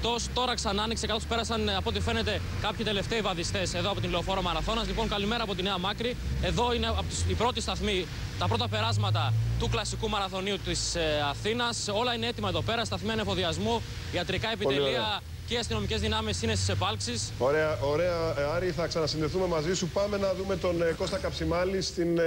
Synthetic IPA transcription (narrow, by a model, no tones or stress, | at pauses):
t̪o̞st̪o̞ɾɐksɐnɐniksekɐtospe̞ɾɐsɐnɐpo̞t̪ife̞ne̞t̪e̞ | kɐpçit̪e̞le̞ft̪eivɐðist̪e̞se̞ðoɐpo̞t̪inleo̞fo̞ɾoɐmɐɾɐθo̞nɐzlipo̞ŋkɐlime̞ɾɐːpo̞t̪ineɐmɐkɾie̞ðo̞inep̪ipɾo̞t̪ist̪ɐθmi | t̪ɐpɾo̞t̪ɐpe̞ɾɐzmɐt̪ɐt̪uklɐsikumɐɾɐθo̞niut̪isɐθinɐso̞lɐineet̪imɐeðope̞ɾɐst̪ɐθmiɐinefo̞ðiɐzmu | iɐt̪ɾikɐe̞pit̪eɾiɐ | ceiɐst̪ino̞mice̞zðinɐmesine̞st̪ise̞pɐlksisoɾe̞ɐʔo̞ɾe̞ɐɐɾiθɐksɐnɐsinðe̞θume̞mɐzisupɐme̞nɐðume̞t̪o̞nko̞st̪ɐkɐpsimɐlist̪in